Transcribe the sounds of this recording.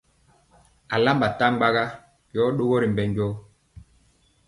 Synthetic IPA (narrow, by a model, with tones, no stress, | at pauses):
a˨la˦mba˨ta˦ŋ͡mɡ͡ba˦ɣa˦ | jɔ˨˦ɗo˦ɡɔ˦ɾi˨mbɛ˨ɲɟɔ˦